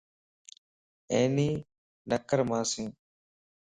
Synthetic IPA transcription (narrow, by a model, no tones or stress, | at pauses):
eːniː | nəkəɾmãːsĩː